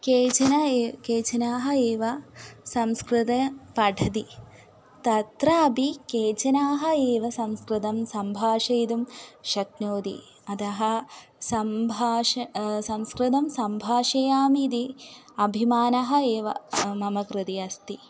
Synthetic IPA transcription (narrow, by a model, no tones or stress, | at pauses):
keːt͡ʃɐnɐekeːt͡ʃɐnaːɦɐeːʋɐsɐmskɾɨt̪ɐpɐɖʱɐd̪i | t̪ɐt̪ɾɐɐbikeːt͡ʃɐnaːɦɐ̆eːʋɐsɐmskɾɨt̪ɐmsɐmbʱaːʂɐjd̪umʃɐknoːd̪ḭ | ɐt̪ɐɦɐsɐmbʱaːʃɐsɐmskɾɪt̪̬ɐmsɐmbʱaːʃɐjaːmid̪i | ɐbʱimaːnɐɦɐeːʋɐ̰mɐmɐkɾɨt̪iɐst̪i